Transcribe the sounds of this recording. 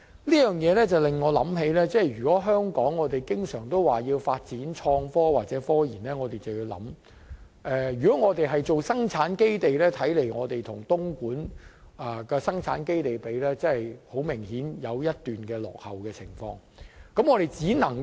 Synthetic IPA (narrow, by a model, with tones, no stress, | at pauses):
liː˥jœː˨ŋjɛː˨˧lɛː˥t͡sɐ˨wlɪ˨ŋːɔː˨˧lɐ̰˨˥mɦe˨˧jlɛː˥t͡sɛː˥˩jɥyː˨kɔː˨˥ɦœː˥ŋkɔː˨˥ŋːɔː˨˧t̪e˨jkɪ˥ŋsœː˨˩ŋt̪o˥waː˨˩jiː˧wfaː˧t̚t͡siː˨˥nt͡ʃʰɔː˧ŋfɔː˥waː˨t̚t͡sɛː˨˥fɔː˥jiː˨˩nlɛː˥ŋɔː˨˧t̪e˨jt͡sɐ˨wjiː˧wlɐ̰˨˥m | ʔɛː˧jyː˨kɔː˨˥ŋɔː˨˧t̪e˨jɦɐ˨jt͡so˨wsɐ˥ŋt͡sʰaː˨˥nke˥jt̪e˨jlɛː˥t̪ʰɐ˨˥jle˨˩jŋɔː˨˧t̪e˨jt̪ʰʊ˨˩ŋt̪ʊ˥ŋkuː˨˥n | ʔɐ˨˩kɛː˧sɐ˥ŋt͡sʰa̰ː˨˥nke˥jt̪e˨jpe˨˧jlɛː˥t͡sɐ˥hɐ˨jho˨˥wmɪ˨˩ŋhiː˨˥njɐ˨˧wjɐ˥t̚t̪yː˨nkɛː˧lɔ̰ː˨k̚hɐ˨wkɛː˧t͡sʰɪ˨˩ŋfɔ̰ː˧ŋ | kɐ˨˧˥mŋɔː˧ɾe˨jt͡siː˨˥nɐ˨˩ŋ